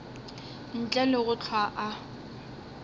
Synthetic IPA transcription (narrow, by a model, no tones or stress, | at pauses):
n̩t͡ɬʼɛlɪɣʊt͡ɬʰwaʔa